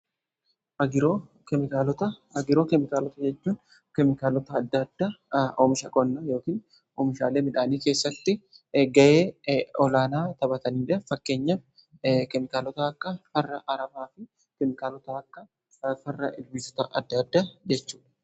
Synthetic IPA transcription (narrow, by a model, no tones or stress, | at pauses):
ʔɐɡɪɾoː | kɛmɪkaːlɔt̪ɐɐɡɪɾo̞ːkɛmɪkaːlɔt̪ɐd͡ʒɛt͡ʃːuːn | kɛmɪkaːlɔt̪ɐːd̪ːɐd̪ːaːʔɔmɪʃɐkʼɔnːɐjo̞ːkiːn | ʔɔmɪʃa̰ːle̞ːmɪᶑaːniːke̞ːsːɐt̪ːɪɡɐʔeːɔlaːnaːt̪ɐbɐt̪ɐniːᶑɐfɐkːe̞ːɲːɐ | kɛmɪkaːlɔt̪ɐːkːɐfɐrːɐʔɐɾɐbaːfɪ | kɛmɪkaːlɔt̪ɐɐkːɐ | fɐrːɐʔɪlbɪsɔ̥t̪ɐʔɐd̪ːɐd̪ːaːd͡ʒɛt͡ʃːu̥ːᶑɐ̥